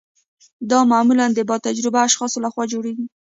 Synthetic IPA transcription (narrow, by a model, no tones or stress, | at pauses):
d̪ɑmamuland̪əbɑt̪ad͡ʒɾɪbaːʃxɑsolaxwɑd͡ʒoɽeɡi